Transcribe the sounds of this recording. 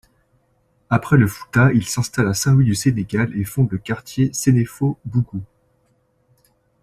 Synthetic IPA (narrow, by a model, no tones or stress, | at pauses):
apχɛləfu̥t̪ailsɛ̃st̪alasɛ̃wɥid̪yseneɡʲalefɔ̃d̪ləkaʁt̪jesenefobuɡu